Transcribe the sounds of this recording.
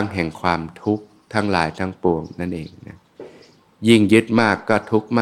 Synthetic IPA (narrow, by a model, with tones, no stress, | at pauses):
ŋɦɛ˨˩ŋkʰwaː˧mt̪ʰu˦˥k̚ | t̪ʰaː˦˥ŋlaː˨˩˦jt̪ʰaː˦˥ŋpu˨˩əŋna˥˩nʔeː˨˩ŋna˦˥ | ji˥˩ŋjɯ˦˥t̪̚maː˥˩kːɔː˥˩t̪ʰu˦˥k̚maː